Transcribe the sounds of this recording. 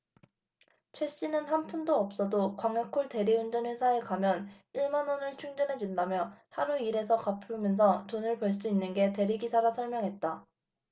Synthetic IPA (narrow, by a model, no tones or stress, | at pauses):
t͡ɕʰwe̞ɕ͈inɯnhanpʰundoʌp̚s͈ʌdokwaŋekʰoɭte̞ɾiund͡ʑʌnwesʰaekamjʌn | iɭmanonɯɭt͡ɕʰuŋd͡ʑʌnɦe̞d͡ʑundamjʌhaɾuiɾe̞sʰʌkapʰumjʌns̬ʰʌtonɯɭpʌɭs͈uinːɯnɡe̞te̞ɾiɡisʰaɾasʰʌɭmjʌŋɦe̞t̚t͈a